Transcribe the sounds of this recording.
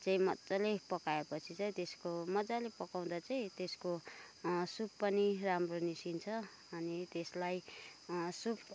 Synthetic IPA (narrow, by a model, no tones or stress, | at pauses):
t͡saĩmʌt͡salepʌkaepʌt͡sʰit͡saĩt̪eskomʌd͡zalepʌkaw̃d̪at͡saĩt̪esko | subpʌniramronisint͡sʰʌ | ʌnit̪eslaj | sub